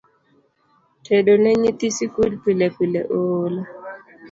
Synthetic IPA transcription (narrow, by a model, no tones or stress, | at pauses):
tʰedonɛɲit̪isikulpilɛpilɛ̰ʔola